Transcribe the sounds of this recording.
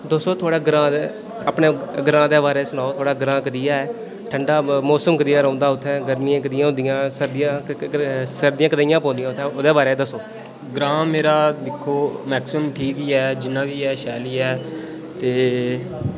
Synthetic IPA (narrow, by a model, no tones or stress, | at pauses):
d̪osoːt̪ʰoːɽaːɡɾãːd̪e | əpɳeːɡɾãːd̪eːbaːɾeːsʊɽaːoːt̪ʰoːɽaːɡɾãːkəd̪ijaːɛː | ʈʰəɳɖaːmɔːsəmkəd̪ɪjaːɾõːnd̪aːʊt̪ʰːɛ̃ːɡəɾmiãːkəd̪ɪjãːɦõːnd̪ɪjãːsəɾd̪ɪjãː | səɾd̪ɪjãːkəd̪aːijãːpõːnd̪ɪjãːʊt̪ʰːɛoːd̪eːbaːɾeːd̪əsoː | ɡɾãːmeːɾaːd̪ɪkʰːoːmɛːksəmʈʰiːkiːɛːd͡ʒɪnːãːʋiːɛːʃaːliːɛː | t̪eː